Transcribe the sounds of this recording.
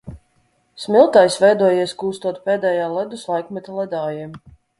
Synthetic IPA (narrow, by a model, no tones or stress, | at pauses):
smʲilˠt̪ajsvʲɛjd̪uɔjiɛskuːst̪uɔt̪̚pʲɛːd̪ɛːjaːlˠɛd̪uslˠajkmɛt̪alˠɛd̪aːjim